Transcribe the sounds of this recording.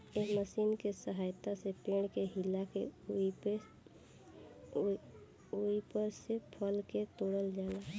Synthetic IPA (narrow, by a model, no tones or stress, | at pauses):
eɦməsiːnkesəɦaːjt̪asepeːɳ̃keɦɪlake | uipəɾsepʰəlket̪oːɽəld͡ʒaːla